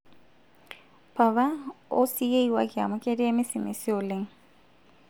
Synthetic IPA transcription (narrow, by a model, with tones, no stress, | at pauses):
pʰa˨βa˦o˦si˦je˦iwa˦kʼɪa̰˨mʊ˦kʼe˦di˦e˦mɪ˦sɪ˨mɪ̰˨sɪ˦ʊ˨lɪ˦ŋ̩